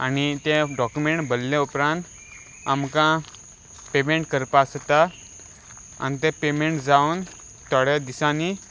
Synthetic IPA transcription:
a̰nit̪ẽɖɔkjumeɳʈbʱəlːẽupɾãnt̪ | a̰mkã | pemẽɳʈkəɾpast̪a | a̰nit̪̬epemeɳʈd͡zaun | t̪ɔɽed̪isãni

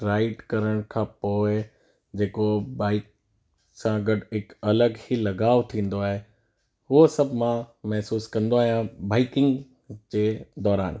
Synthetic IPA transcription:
ɾaːɪʈkɐɾəɽ̃kʰãpoːɪ | d͡ʑeːkobaːɪk | sãɡɐɖɦɪkɐləɡhilɐɡaːʋt̪ʰĩːn̆d̪oaːɦe | ʊɦosɐbʱmãmɛɦsuːskɐ̃nd̪oaːɦijãbaːɪkɪ̃ŋɡ | d͡ʑeːd̪ɔːɾaːn

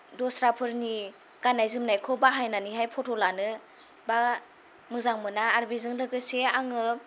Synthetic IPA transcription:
dɔsɾapʰɯɾni | ɡanajzɯmnajkʰɔbaɦajnaniɦajpʰɔtʰɔlanɯ | ba | mɯzaŋmɯnaːɾbizɯŋlɯɡɯseaŋɯ

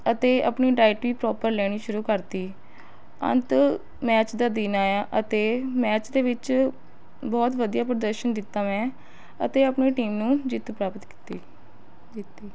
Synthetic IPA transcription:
ət̪eːə̰pniːʈaːiʈʋiːpɾɔːpəɾlɛːɽ̃iːʃʊɾuːkəɾt̪iː | ə̰nt̪ | mɛːt͡ʃd̪aːd̪iːnaːaːʔət̪eːmɛːt͡ʃd̪eːʋɪt͡ʃ | bɔːt̪ʋəd̪ijaːpɾəd̪əɾʃənd̪ɪt̪ːaːmɛ̃ː | ə̰t̪eːəpneːʈiːmnũːd͡ʒɪt̪pɾaːpət̪ki̥t̪iː | d͡ʒit̪ːiː

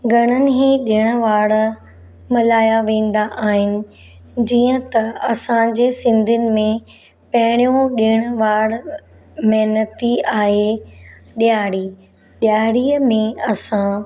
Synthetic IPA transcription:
ɡʱɐɽ̃ənɪ̆ɦẽɗɪɽ̃ʋaːɽ | mɐlaːjaʋẽːn̆d̪aʔaːɦɪnɪ̆ | d͡ʑiːə̃t̪ɐɐsãd͡ʑeːsɪ̃nd̪ʱənɪ̆mẽ | pɐɦɪɽ̃jõɗɪɽ̃ʊʋaːɽ | mɛɦnət̪iaːɦe | ɗjaːɽiː | ɗjaːɽiːəmẽɐsã

